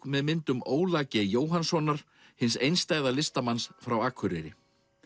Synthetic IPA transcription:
mɛðmɪnt̪ʏmoːwlaːcɪjoːwɦansɔnːaɾ̥ | hɪnsejnst̪aːjðalɪst̪amansfɾawaːkʰvʏɾɪ̰ɾɪ̰

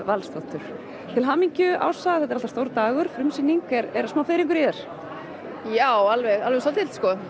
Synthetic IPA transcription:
valst̪ɔht̪ʏɾ̥ | t̪ʰɪlɦaːmiɲcʏa̰ːwsaɣaθɛt̪ɛɾalast̪owɾt̪aːɣʏɾ̥fɾʏmsinːiŋkɛɾɛɾasmaːwfeɾiŋk̬ʏɾjɛɾ̥ | jaːwalvɛɣalvɛsat̪ɪlt̪skɔ

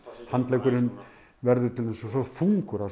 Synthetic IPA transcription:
hant̪lɛːkʏɾʏn | vɛɾðʏt̪ʰɪlθɛsɔsɔfuŋkʏɾa

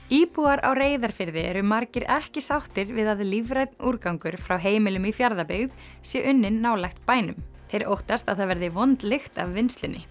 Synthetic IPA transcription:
iːpuaɾa̰wreːjðaɾ̥fɪɾðɪɛɾʏmaɾcɪɾɛhcɪsawht̪ɪɾvɪðaðɪlivɾajt̪nuɾkawŋkʏɾ̥fɾawɦeːjmɪlʏmifjaɾðapɪɣð | sjɛʔʏnːɪnːaːwlajxt̪̚paːjnʏmθejɾowht̪ast̪aðθavɛɾðɪvɔnt̪lɪxt̪avːɪnst̪lɪnːɪ̰

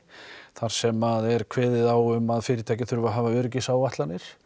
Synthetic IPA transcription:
θaɾ̥sɛmaðɛɾkʰvɛːðɪðawʏmaðfɪːɾɪt̪ʰaːjcɪθʏɾvaɦaːvaœɾc̬ɪsaːwaht̪lanːɪɾ̥

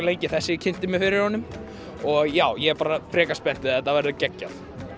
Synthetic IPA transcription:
leːjcɪθɛsːɪcʰɪn̥t̪ɪmɪfɪɾɪɾ̥hɔnːʏm | ɔɣjaːwjɛɛpaːɾafɾɛːkaspɛn̥t̪ɪaɛt̪ːavɛɾðʏcɛcːaθ

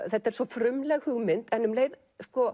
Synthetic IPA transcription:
θɛht̪aɛɾ̥svɔfɾʏmlɛɣhʏɣmɪnt̪ɛnːʏmleːjð | skɔ

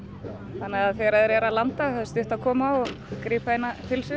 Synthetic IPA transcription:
θanːaɣaðfɪɾaðɪɾɛɾaðlant̪ahaðst̪ʏht̪akʰɔːmaɔɣkɾiːpaejnat̪ʰɪlsʏ

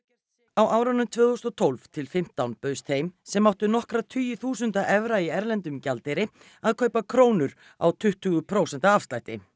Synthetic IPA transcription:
awʔawɾanʏmt̪ʰvʏːðʏhst̪ɔt̪ʰowlvt̪ʰɪlfɪm̥t̪awnpœːst̪ʰejmsɛmːawht̪ʏnɔhkɾat̪ʰyːjʏθuːsʏnt̪aʔɛvɾaiɛɾlɛnt̪ʏmcalt̪ɛɾɪ | aðkʰœːɥpakʰɾoːwnʏɾ | a̰wt̪ʰʏht̪ːʏɣʏpʰɾowsɛnt̪aafst̪ajht̪ɪ̰

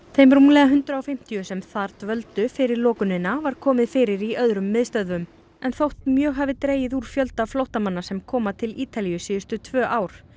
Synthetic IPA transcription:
θejmɾulɛɣaɦʏnt̪ɾaawfɪm̥t̪ijʏsɛmθaɾt̪vœlt̪ʏfɪɾɪɾlɔːkʏnɪnːavaɾ̥kʰɔːmɪðfɪːɾɪɾiœðɾʏmːɪðst̪œðvʏm | ɛnθowht̪̚mjœːɣɦavɪt̪ɾeːjɪðuɾ̥fjœlt̪aflowht̪amanːasɛmkʰɔːmat̪ʰɪliːt̪alijʏsiːðʏst̪ʏt̪ʰvœːʔaːwɾ̥

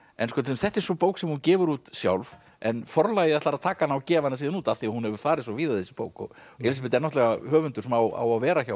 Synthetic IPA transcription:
ɛnskɔt̪ʰɪlɪmθɛht̪ɛɾ̥sɔpoːwksɛmhuncɛːvʏɾuːt̪sja̰wlv | ɛnfɔɾlajɪðɛht̪laɾaðt̪ʰaːkaanːawcɛːvanas̬iːðɪnuːt̪afθiahunhɛvʏɾ̥faːɾɪðsɔviːðaðɛsɪ̥po̰wkɔ̰ɣɛls̬p̬ɪt̪ɛɾnɔht̪lɛɣahœːvʏnt̪ʏɾ̥smawa̰wavɛːɾaçaw

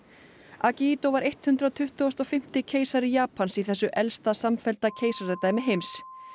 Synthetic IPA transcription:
aciit̪owvaɾejht̪hʉnt̪ɾat̪ʰʏht̪ost̪ɔfɪm̥t̪ɪcʰeːjsaɾɪjaːpʰansiθɛsːʏʔɛlst̪asamfɛlt̪acʰeːjsaɾɛt̪aːjmɪɦejms

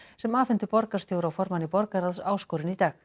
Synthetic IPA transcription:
sɛmaːfɪnt̪ʏpɔɾkḁst̪jowɾawfɔɾmanipɔɾkaɾaðsaːwskɔːɾɪnit̪aːx

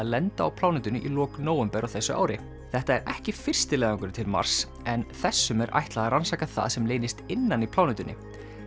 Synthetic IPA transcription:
aðlɛnt̪aawpʰlaːwnɛt̪ʏnɪʔilɔːknoːwʏmpɛɾawθɛsːʏa̰ːwɾɪ | θɛht̪aɛɾɛhcɪfɪr̥st̪ɪlɛːðaŋkʏɾt̪ʰɪlma̰r̥s | ɛnθɛsːʏmɛɾʔa̰jht̪laɣaransaːkaθa̰ðsɛmleːjnɪst̪ɪnːanipʰlaːwnɛt̪ʏnːɪ̰

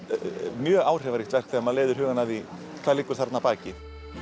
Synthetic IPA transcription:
mjœːɣaːwr̥ɛvaɾist̪ɛr̥kθɛmːaðleːðʏɾɦʏːɣanaði | kʰvaːlɪːkːʏɾ̥θaɾ̥t̪napaːcɪ

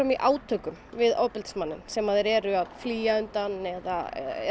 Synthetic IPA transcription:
œmiʔaːwt̪ʰœːkʏmvɪðoːwpɪlt̪smanːɪnsɛmaðɛɾɛɾʏaðfliːjaʏnt̪anɛða̰ɛ̰ɛ̰

